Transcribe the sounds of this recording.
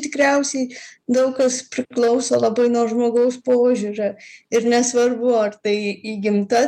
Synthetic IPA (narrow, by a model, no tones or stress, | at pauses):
t̪ʲɪkɾʲɛʊsʲɛɪd̪ɐʊkkɐspʲɾʲɪklˠɐʊsoːlˠɐbɐɪnuɔʒmoːɡɐʊspoːʒʲuːɾʲoɪɾnʲɛsʋɐrbʊɐrt̪ɐɪiːɡʲɪmt̪ɐ